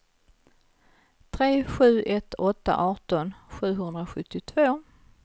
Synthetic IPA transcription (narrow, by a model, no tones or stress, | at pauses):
t̪ʰɾeːɧʉ̟ːʔɛt̪ʰːɔt̪ːa̰ʔɑːʈɔnɧʉ̟ːɦɵnd̪ɾaɧɵt̪ʰːɪt̪ʰvoː